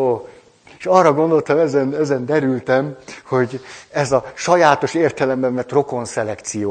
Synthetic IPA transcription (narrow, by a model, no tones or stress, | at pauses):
o | eʃɒrːɒɡo̞nd̪o̞lt̪ɒmɛzɛnɛzɛnd̪ɛɾylt̪ɛmho̞ɟɛzɒʃɒjaːt̪o̞ʃeːrt̪ɛlɛmbɛɱvɛt̪ro̞ko̞nsɛlɛkt̪sijoː